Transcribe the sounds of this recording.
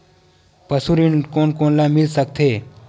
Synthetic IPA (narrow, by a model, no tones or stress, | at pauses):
pəsuɾinkoːnkoːnlamɪlsəkt̪ʰeː